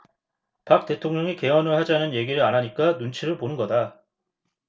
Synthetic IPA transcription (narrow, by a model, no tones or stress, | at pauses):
pak̚t͈e̞tʰoŋɲʌŋike̞wʌnɯɭhad͡ʑaɦnɯnje̞ɡiɾɯɭanɦaɲik͈anunt͡ɕʰiɾɯɭponɯnɡʌda